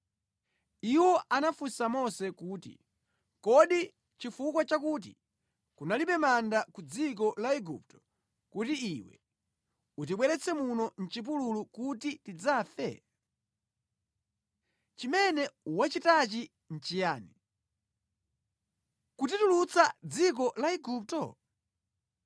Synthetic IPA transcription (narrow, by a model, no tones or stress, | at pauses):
iwɔʔanafusamɔsɛkuːtḭ | kɔɗi | t͡ʃifukwat͡ʃakuːt̬ḭ | kunalipɛmandakud͡zik̬ɔlaɛɡṵp̚tɔ̥ | kutiiwɛ̰ | ut̬iɓwɛɾɛt͡sʰɛmunɔn̩t͡ʃip̬ululukutitid͡zaːfɛ̰ | t͡ʃimɛnɛwat͡ʃitat͡ʃi | n̩t͡ʃijaːni | kutitulut͡sad͡zik̬ɔlaiɡup̚tɔ